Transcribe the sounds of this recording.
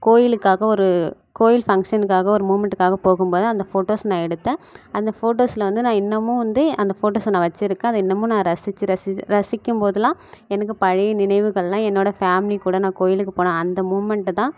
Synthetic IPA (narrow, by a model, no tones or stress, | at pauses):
koːjɪlɯkːaːɣɐɔɾɯ | koːjɪlfɐŋkʂɐnɯkːaːɣɐɔɾɯmuːmɛɳʈɯkːaːɣɐpoːɣɯmpoːðɯɐnd̪ɐfoːʈoːsnãːɛɽɯt̪ːẽːɐnd̪ɐfoːʈoːslɐʋɐnd̪ɯnãːɪnːɐmːʊ̃ːʋɐnd̪ɯɐnd̪ɐfoːʈoːsnãːʋɐt͡ʃːɪɾɯkːẽɐðɐɪnːɐmːʊ̃ːnãːɾɐsɪt͡ʃːɯɾɐsɾɐsɪkːɯmpoːðɯlãːɛnɐkːɯpɐɻɪnɪnɐɪʋɯɣɐɭlãːɛnːoːɽɐfaːmɪlikuːɽɐnãːkoːjɪlɯkːɯpoːnãːɐnd̪ɐmuːmɛɳʈt̪ãː